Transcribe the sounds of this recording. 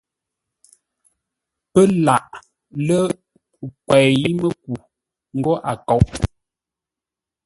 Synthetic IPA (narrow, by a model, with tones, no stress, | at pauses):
pə˦la˨ʔ | lə˦˨ | kwɛ˨ji˦mə˦k̚u˨ | ŋ̩˦ɡɔ˦ʔa˨kɔ˨˦˨ʔ